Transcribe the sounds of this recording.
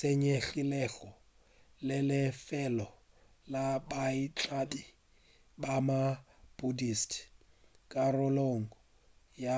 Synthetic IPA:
seɲeɬilɛɬɔ | lɪlɪfɛlɔ | labait͡ɬʼadʼi | bama | b̥udistʰ | kʼarʊloŋɔ | ja

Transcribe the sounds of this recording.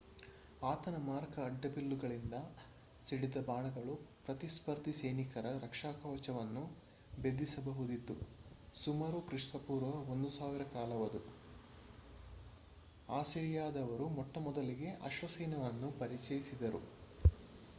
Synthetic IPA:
aːt̪ɐnɐmaːɾkɐːɖːɐbilːuɡɐɭind̪ɐ | siɽid̪ɐbaːɳɐɡɐɭupɾɐt̪ispɐɾd̪isɐjnikɐɾɐɾɐkʂaːkɐːʋt͡ʃɐʋɐnːu | be̞d̪isɐbɐɦud̪it̪ːṵ | sumaːɾukɾiʂʈɐpuːɾʋɐo̞nd̪usaːʋiɾɐkaːlɐʋɐd̪u | aːsiɾijaːd̪ɐʋɐɾumɔt̪ːɐmɔd̪ɐliɡe̞ʔɐ̰ʃʋɐsijnɐʋɐnːupɐɾisɐjisid̪ɐɾṵ

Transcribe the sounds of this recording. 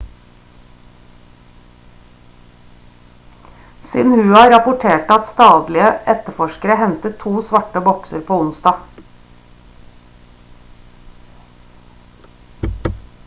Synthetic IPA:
sɪd̪n̩hʉːɑɾɑpʊʈʰeːʈəɑt̪st̪ɑːd̪lɪəʔɛt̪əfɔʃkəɾəhɛnt̪ət̪ʰuːsʋɑʈəbɔksəɾpʰoːʊnsd̪ɑː

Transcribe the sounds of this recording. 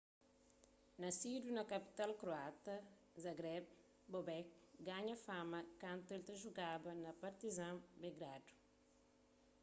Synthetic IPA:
nɐsid̪unɐkɐpi̥t̪alkɾoat̪ɐ | zɐɡɾɛb̚ | bobɛk̚ɡaɲɐfamɐkãnt̪elt̪ɐʒuɡabɐnɐpɐɾt̪izãbeɡɾad̪u̥

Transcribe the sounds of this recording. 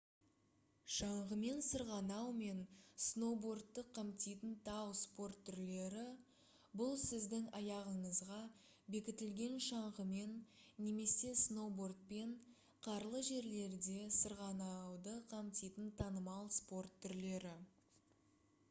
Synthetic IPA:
ʃɑɴʁəme̞nsəɾʁɑnɑwme̞nsno̞wbo̞rt̪ːəqʰɑmt̪ijt̪ɪnt̪ʰɑwspo̞rt̪ʰːʏɾle̞ɾɪ | bʊlˠsɪzd̪ɪŋɑjɑʁəɴəzʁɑ | be̞kʲɪt̪ɪlɡʲe̞nʃɑɴʁəme̞nːe̞me̞se̞sno̞wbo̞rt̪̚pe̞ɴ | qʰɑɾlˠəʒe̞ɾle̞ɾd̪e̞səɾʁɑnɑwd̪əqʰɑmt̪ijt̪ənt̪ʰɑnəmɑlˠspo̞rt̪ʰːʏɾle̞ɾɪ

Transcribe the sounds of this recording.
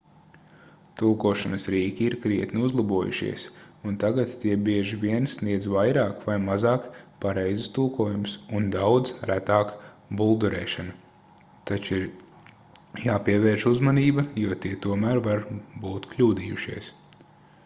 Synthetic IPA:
t̪ulˠkuɔʃanɐsɾiːkʲiːɾkɾiɛt̪niuzlˠabuɔjṵʃḭɛs | unt̪aɡat̪ːʲiɛbiɛʒivʲiɛnsniɛd̪zʋajɾɑːkvajmazɑːkpaɾɛjzist̪ulˠkuɔjumsund̪awd̪z̥ɾæt̪ɑːk | bulˠd̪uɾɛ̰ːʃana | t̪at͡ʃuiɾ | jaːpiɛvɛːɾʃuzmaniːbɐjuɔt̪iɛt̪uɔmæːɾvaɾbuːt̪klʲuːd̪iːjṵʃiɛs

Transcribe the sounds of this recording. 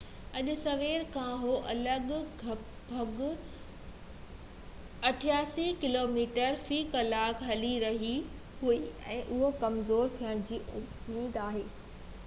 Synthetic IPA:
ɐʄʊsɐʋeːɾkãːɦoʔɐləɠ | bʱɐɡ | ɐʈʰijaːsikɪloːmiːʈəɾfiːkɐlaːkɦɐliɾɐɦi | ɦuiɛ̃ːʔʊɦokɐmzoːɾt̪ʰijəɽ̃d͡ʑiːʊ | miːd̪aːɦeː

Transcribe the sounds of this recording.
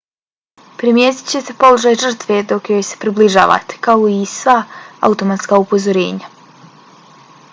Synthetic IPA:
pɾimjest̪i̥t͡ɕe̞t̪e̞po̞lˠoʒaːjʒr̩t̪ʋed̪o̞kjo̞jse̞̥pɾibliʒa̰ːʋa̰t̪e̥kaoisʋaa̰ut̪o̞mat̪skaːupozo̞ɾe̞̰ːɲa

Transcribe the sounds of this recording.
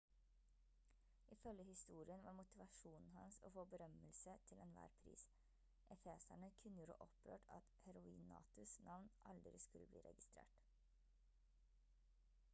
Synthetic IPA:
ʔɪfœləhɪst̪uːɾɪənʋɑːɾmʊt̪ɪʋɑʃuːnn̩hɑ̰nsoːfoːbəɾœməlsət̪ʰɪleːnʋæ̰ːɾpʰɾḭːs | ʔɛfeːsæɳəkʰʉnjuːɾə̰ʔɔpɾøːʈɑ̰t̪hɛɾʊinɑ̰ːt̪ʊsnʔɑʋnʔɑld̪ɾɪskʉləbliːɾɛ̰ɡɪst̪ɾḛːʈ

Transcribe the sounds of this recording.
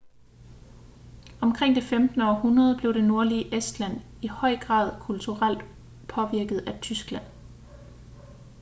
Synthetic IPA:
ɒ̽mkʰʁeŋ̰d̥e̝femd̥n̩əɒhunʁɐð̞̩ˠb̥le̝ʊd̥e̝no̝ɐliəʔesd̥læn̰ | ihɒ̽ɪ̰ɡ̥ʁɑ̈ːð̞̰ˠkʰult͡sʰuʁal̰d̥ | pʰɒ̽ʋiɐɡ̥ð̞̩ˠæt͡sʰysɡ̥læn̰

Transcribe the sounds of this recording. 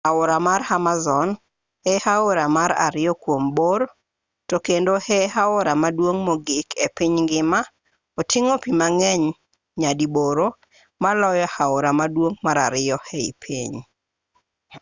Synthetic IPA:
haʊɾamarhamazɔn | ɛhaoɾamaɾa̰ɾɪjɔkwomboɾ | tokendohɛhaoɾamadwoŋmoɡikʰepiɲŋɡɪma | otiŋopimaŋɛɲ | ɲadiboɾo | malɔjɔhaʊɾamadwoŋmaɾaɾɪɔheipʰiɲ

